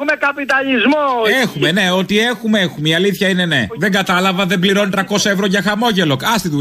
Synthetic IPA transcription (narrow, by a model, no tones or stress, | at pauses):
umekɐpit̪ɐʎizmoexume̞ne̞o̞t̪ie̞xumeexumeiɐliθçɐine̞ne̞ðe̞ŋɡɐt̪ɐlɐvɐðe̞bliɾo̞nt̪ɾɐko̞sɐevɾo̞ʝɐxɐmo̞ʝe̞lo̞kɐst̪iðu